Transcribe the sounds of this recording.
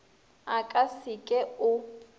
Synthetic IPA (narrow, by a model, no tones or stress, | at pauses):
akʼasikʼɛʊ